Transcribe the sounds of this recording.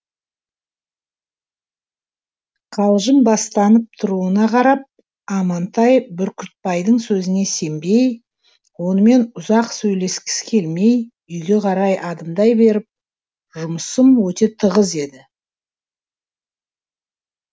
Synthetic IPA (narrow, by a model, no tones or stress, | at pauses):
qʰɑlˠʒəmbɑst̪ɑnəp̚t̪ʰʊɾuənɑqʰɑɾɑp̚ | ɑmɑnt̪ɑjbʏɾkʲʰʏt̪̚pɑjd̪əɴsɵzɪne̞se̞mbe̞j | wo̞nəme̞nʊzɑqsɵjle̞skʲɪ̥skʲʰe̞lme̞j | ʏjɡʲe̞qʰɑɾɑjʔɑd̪əmd̪ɑjbe̞ɾɪp̚ | ʒʊməsəmwɵt̪e̞t̪ʰəʁəze̞d̪ɪ